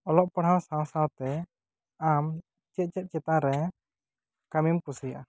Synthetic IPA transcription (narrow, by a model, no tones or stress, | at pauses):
ɔlɔʔpɔɽɦawsawsawt̪ɛ | am | t͡ʃɛt̪̚t͡ʃɛt̪̚t͡ʃɛt̪aɾɛ | kamimkusija̰